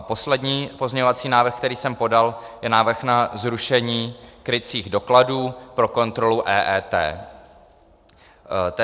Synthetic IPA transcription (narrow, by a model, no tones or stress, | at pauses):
po̞slɛdɲiːpo̞zɲɛɲovat͡siːnaːvr̩xkt̪ɛɾiːsɛmpo̞daljɛnaːvr̩xnazɾuʃɛɲiːkɾɪt͡siːɣdo̞kladuːpɾo̞ko̞nt̪ɾo̞luʔɛːʔɛːt̪ɛ̰ː | t̪